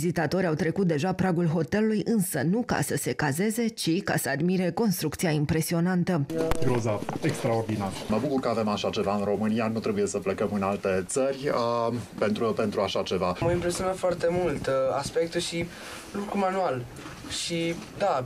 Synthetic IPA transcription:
vizit̪at̪o̞ɾʲawt̪ɾe̞kut̪̚d̪e̞ʒapɾaɡulɦo̞t̪e̞lulujʔɨnsənuka̰səse̞kaze̞ze̞t͡ʃika̰səad̪miɾe̞ko̞nst̪ɾuk̚t̪siaimpɾe̞sio̞nant̪əɡɾozaekst̪ɾaord̪inaɾəməbukurkəave̞maʃat͡ʃe̞vaɨnro̞mɨnijanut̪ɾe̞buje̞səplekəmɨnalt̪e̞t̪sərʲəpent̪ɾupe̞nt̪ɾuaʃat͡ʃe̞vaməimpɾesio̞nafoart̪e̞mult̪aspe̞k̚t̪uʃi | lukɾumanual | ʃid̪a

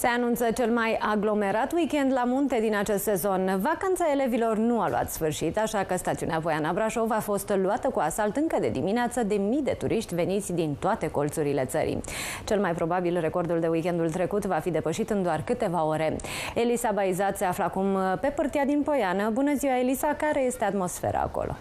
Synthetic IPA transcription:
se̞anunt̪sət͡ʃe̞lmajaɡlo̞me̞ɾat̪wikʲend̪lamunt̪e̞d̪inat͡ʃe̞st̪se̞zo̞nvakant̪sae̞le̞vilo̞rnualṵa̰t̪sfɨrʃit̪aʃakəst̪at̪siṵneapo̞janabɾaʃo̞vafo̞st̪luat̪əkuasalt̪ɨŋkəd̪e̞̰d̪imineat̪səd̪e̞mijd̪e̞t̪uɾʔiʃt̪ʲve̞nit̪sʲd̪int̪oat̪e̞ko̞lt̪suɾile̞̰t̪sə̰ɾḭt͡ʃe̞lmajpɾo̞babilre̞ko̞rd̪uld̪e̞uikʲend̪ult̪ɾe̞kut̪vafid̪e̞pəʃit̪ɨnd̪oarkɨt̪e̞vao̞ɾe̞elisabaizat̪se̞afləakumpe̞pɨrt̪ijad̪inpo̞janəbunəziwaelisakaɾe̞je̞st̪e̞at̪mo̞sfḛɾa̰ːko̰lʔo̰

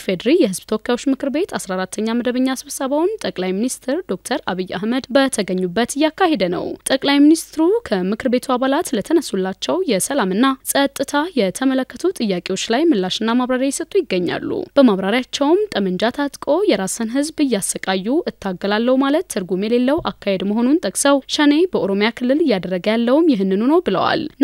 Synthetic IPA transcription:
fed̪ɾijɛhɨzbt̪ʰəwokʰːjajwo̞t͡ʃːmɨkʰɨɾbe̞t̪ʰasɾaɾat̪ʰːəɲːaməd̪əβəɲːasɨβsəβawunt̪ʼəkʼlajminist̪ʰɨɾd̪o̞k̚t̪ʰəɾaβijːʔa̰hməd̪bət̪ʰəɡəɲːubːət̪ɨjːakːahe̞d̪ənə̰wt̪ʼəkʼlajminist̪ɨɾukʰəmɨkʰɨɾbe̞t̪ʰuaβalat̪lət̪ʰənəsulːat͡ʃːɛwjɛsəlamɨnːasʼət̪ʼːɨt̪ʰajɛt̪ʰəmələkːət̪ʰut̪ʼɨjːakʼe̞wo̞t͡ʃːlajmɨlːaʃɨnːamaβɾaɾjajɪsət̪ʼːujɪɡːəɲːa̰lːṵb̥əmaβɾaɾjat͡ʃːɛwmt̪ʼəmənd͡ʒat̪ʰat̪ʼkʼo̞jɛɾasənɦɨzbɨjːasːəkʼajːuʔɨt̪ʰːaɡːəlalːəwumalət̪ːʰɨɾɡumjɛle̞lːəwʔakːahe̞d̪məɦo̞nunt̪ʼəkʼsəwʃəne̞bəʔoɾo̞mjakʰɨlːɨlɨjːad̪ərːəɡəjalːəwumjɪɦɨnːɨnunəwbɨlə̰wa̰l

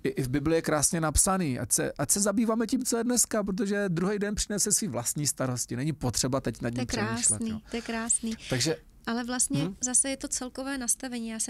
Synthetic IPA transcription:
ʔɪʔɪvbɪblɪjɛkɾaːsɲɛnapsaniːʔa̰csɛ̰ʔacsɛzabiːvaːmɛcimt͡sojɛdnɛskap̬ɾot̪̬oʒɛd̪ɾuɦɛjdɛnpr̝̥ɪnɛsɛsviːvlast̪ɲiːst̪aɾo̞scɪnɛɲɪpot̪r̥ɛbat̪ɛcnadɲɛpɾamiːʃsllɛ̰tniːoojɛkɾaːsnit̪aɡʒɛ | ʔalɛvlast̪ɲɛzasɛjɛt̪o̞t͡sɛlkovɛːnast̪avɛɲiːjaːsɛ

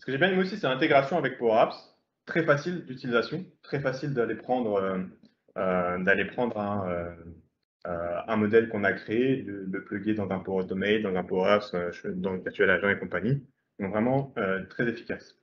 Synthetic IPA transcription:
sə̥kəʒebjɛ̃d̪ymwaosisɛɛ̃t̪eɡʁasjɔ̃avɛk̚poʁaps | t̪χɛfasild̪yt̪ilizasjɔ̃t̪χɛfasild̪alepχɑ̃d̪ʁø | ød̪alepχɑ̃d̪ʁɛ̃ø | øɛ̃mɔd̪ɛlkɔ̃nakχeːlələplɔɡʲed̪ɑ̃zɛ̃poɔd̪mɛjd̪d̪ɑ̃zɛ̃poʁapsøʃd̪ɑ̃iʁt̪yɛlaʒjɔ̃ekɔ̃paɲi | d̪ɔ̃kvʁɛmɑ̃øt̪χɛzefi̥kʲas

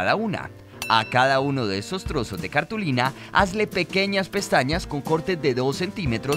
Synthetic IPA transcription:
ðauna̰ | akaðauno̞ðeeso̞st̪ɾo̞so̞zd̪e̞kaɾt̪ulina | a̰zle̞pe̞ke̞ɲaspe̞st̪aɲasko̞ŋko̞ɾt̪e̞zd̪e̞ðo̞sːe̞nt̪ime̞t̪ɾo

